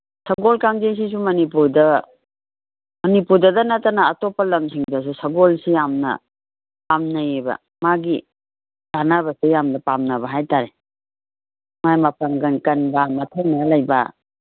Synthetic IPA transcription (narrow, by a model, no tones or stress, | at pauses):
sɐɡolkaŋzejs̬is̬umɐnipuɾdɐ | mɐnipuɾdɐdɐnɐtanaːtopɐlɐmsiŋdɐs̬usɐɡolsijamnɐ̰ | pamnajebɐ̰ | maɡi | ɡ̥anaβɐsejamnɐpamnɐbɐɦajtaɾe | majmɐpaŋɡɐnkɐnbamɐtʰaŋnɐlɐjbɐ̰